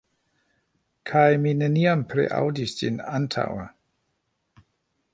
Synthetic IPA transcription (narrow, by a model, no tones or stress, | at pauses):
kʰajmineniampʰɾḛʔa̰wdisd͡ʒḭnantʰa̰wa